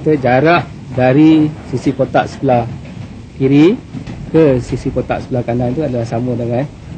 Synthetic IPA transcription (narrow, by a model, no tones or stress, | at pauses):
t̪əd͡ʒaɾaʔ | daɾisisikot̪a̰ʔsə̥pəlah | kiɾikəsisikot̪a̰ʔsə̥pəlahkanant̪uadalahsamədəŋan